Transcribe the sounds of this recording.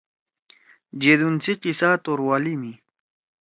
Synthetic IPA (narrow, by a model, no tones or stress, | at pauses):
d͡ʑed̪unt͡siqisaːt̪oɾwaːlimi